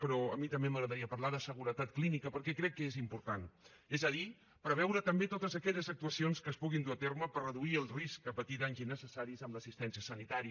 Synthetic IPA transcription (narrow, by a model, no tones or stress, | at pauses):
pəɾɔəmit̪əmbeməɣɾəðəɾiəpəɾlaðəsəɣuɾət̪at̪̚klinikəpəɾkɛkɾɛkːəezimpuɾt̪an | ezəði | pɾəβɛwɾət̪əmbet̪ot̪əzəkɛʎəzək̚t̪uəsionskəspuɣind̪uət̪eɾməpərəðuiəlˠriskəpət̪it̪aɲzinəsəsaɾizəmləsist̪ɛnsiəsənit̪aɾi